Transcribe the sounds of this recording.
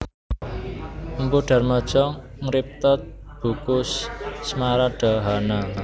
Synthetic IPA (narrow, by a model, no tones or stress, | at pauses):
mpuɖ̥a̤rmad̥ʒ̥ɔŋ | ŋɾip̚t̪ɔt̪̚ | b̥ukʊsːmaɾaɖ̥a̤ɦana